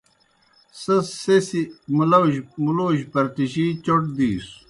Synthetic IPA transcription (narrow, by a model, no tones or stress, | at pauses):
sɐsːesimulɐwʑmuloːɕpɐɾt̪iɕit͡ɕoʈd̪iːs